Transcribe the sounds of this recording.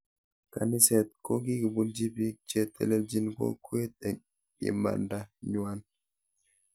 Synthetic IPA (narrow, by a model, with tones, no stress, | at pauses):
ka̰˨ni˦sɛ˨t̪̚ko˦ɡi˦ɡi˨buld͡ʒi˦bi˦t͡ʃɛ˦t̪ːɛ̰˨lɛ˦ld͡ʒi˦nɡo̰˦ku˦e˦t̪ɛ˨ | ɗḭ˨ma̰˨nda˦ɲu˨a˦n